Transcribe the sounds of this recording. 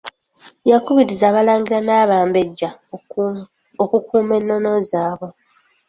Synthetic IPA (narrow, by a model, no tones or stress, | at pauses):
jakuβiɾizaːβalaːŋɡiɾanaːβaːmbeɟːa | okukʰuːme̞nːo̞no̞zaːβo̞